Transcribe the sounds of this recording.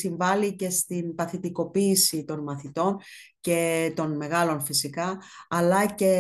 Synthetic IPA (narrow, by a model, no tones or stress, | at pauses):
siɱvɐlice̞st̪inpɐθit̪iko̞piːsit̪o̞nmɐθit̪o̞nce̞t̪o̞nme̞ɣɐlo̞nfisikɐɐlɐce̞